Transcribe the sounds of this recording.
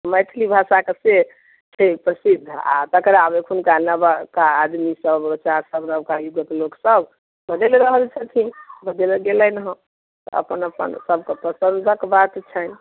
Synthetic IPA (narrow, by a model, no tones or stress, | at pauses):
məjt̪ʰlibʱasakese | t͡ʃʰepɾəsid̪ʱːa̰t̪əkəɾabekʰunkalnabakaːd̪misəbɾot͡ʃaɾsəbɾəbkajuɡək̪loksəb | bəd̪eleɾəɦəlt͡ʃʰət̪ʰĩbəd̪eleɡelənɦə̃ | t̪ɔ̰ə̰pənəpə̰nsəb̚ʱkepəsənd̪ʱəkbat̪t͡ʃʰən